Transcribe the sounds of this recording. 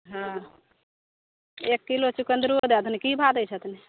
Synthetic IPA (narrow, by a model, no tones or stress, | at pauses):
ɦã | ekːilot͡ʃukənd̪ɾuod̪et̪ʰnikibʱad̪ət͡ʃʰət̪ni